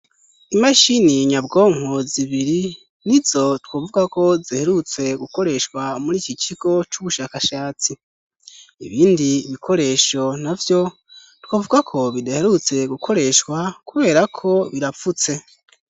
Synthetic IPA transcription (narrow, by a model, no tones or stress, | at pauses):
imaʃiniɲabɡo̞ːŋ̥oziβiɾi | nizo̞twoːvuɡako̞zihe̞ɾut͡se̞ɡuko̞ɾe̞ʃkwamuɾiːcit͡ʃiɡ̥o̞t͡ʃuβuʃakaʃaːt͡si | ḭβiːndiːβikʰo̞ɾe̞ːʃo̞navjo̞ | twoːvuɡakʰo̞βidahe̞ɾut͡se̞ɡukʰo̞ɾe̞ʃkwakuβe̞ːɾakʰo̞βiɾafut͡se̞